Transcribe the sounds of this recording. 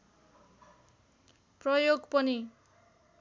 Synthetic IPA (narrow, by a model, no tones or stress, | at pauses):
prʌjoɡpʌni